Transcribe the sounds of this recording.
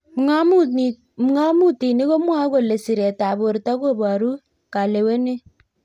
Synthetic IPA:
mŋa˦mu˦˨ | m˦ŋa˦mu˦ti˨ni˦ko˦mwa˦ko˨le˨si˨ɾe˨ta˨bo˨ɾtɔ˦ko˦˨bɔ˨ɾu˦ | ka˨le˨we˦ne˦

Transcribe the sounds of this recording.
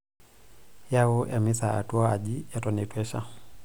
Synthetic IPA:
ja˦wɔ˦ʔa˨mi˦sa˨a̰˨tu˦aa˨ʄija˨tɔnɛ˨twɛ˦ʃa̰˦

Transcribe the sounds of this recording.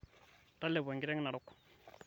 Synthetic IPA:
ta˦lːɛ˨ba˨ŋɡi˦ɾɛ˦ŋ˦na˨ɾɔ˦kːu̥˨

